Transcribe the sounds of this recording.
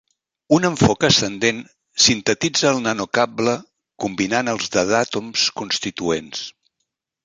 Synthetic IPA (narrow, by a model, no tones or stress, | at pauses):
unəɱfɔkəst̪ənd̪en | sint̪ət̪id͡zəːlˠnanokablə | kumbinanəlˠzðəðat̪umskunst̪it̪uens